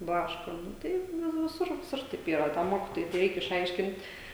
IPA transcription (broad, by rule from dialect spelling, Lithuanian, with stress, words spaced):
ˈblˠɑːʃkoː ˈnʊ ˈtɐɪp ʋʲɪ ʋʲɪˈsʊr ʋʲɪˈsʊr tɐɪp ˈiːrɐ tɐm ˈmoːkʲɪtoːjʊɪ tʲɛ ˈrʲɛɪk ɪʃˈɐɪʃʲkʲɪnʲtʲ